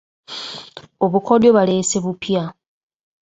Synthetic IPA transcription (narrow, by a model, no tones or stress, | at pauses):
o̞βukʰodjoβale̞se̞βupja